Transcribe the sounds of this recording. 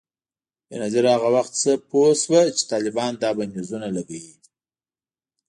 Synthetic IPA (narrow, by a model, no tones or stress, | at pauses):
ənazaɾhaɣawaxt̪səposwat͡ʃe̥t̪ɑlɪbɑnd̪ɑbanizunalaɡawi